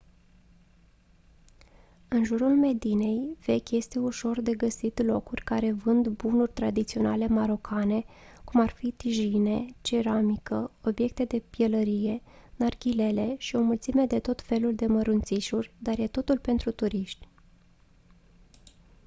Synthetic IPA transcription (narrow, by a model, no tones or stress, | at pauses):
ɨnʒuɾulme̞d̪ine̞jv̥e̞kʲje̞st̪e̞uʃo̞rd̪e̞ɡəsit̪lo̞kurʲkaɾe̞vɨnd̪bunurʲt̪ɾad̪it̪sio̞nale̞maɾo̞kʰane̞kumarfit̪iʒine̞t͡ʃe̞ɾamikəo̞bje̞k̚t̪e̞d̪e̞pjeləɾije̞narkʲile̞le̞ʃio̞mult̪sime̞d̪e̞t̪o̞t̪fe̞luld̪e̞məɾunt̪siʃurʲd̪arje̞t̪o̞t̪ulpe̞nt̪ɾut̪uɾiʃt̪ʲ